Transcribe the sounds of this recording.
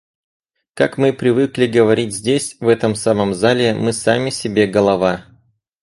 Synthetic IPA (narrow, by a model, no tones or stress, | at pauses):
kakmɨpɾʲɪvɨklʲɪɡəvɐɾʲitʲzʲdʲesʲvɛt̪əmsaməmzalʲɪmɨsamʲɪsʲɪbʲeɡəlˠɐva